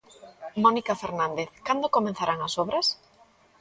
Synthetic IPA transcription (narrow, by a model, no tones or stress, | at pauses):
monikafeɾnand̪eθkand̪okomẽnθaɾʔaŋɐsoβɾɐs